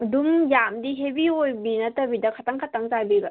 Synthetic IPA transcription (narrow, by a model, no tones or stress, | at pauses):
dumjamdiɦebiojbinɐtɐbidɐkʰataŋkʰataŋzajbil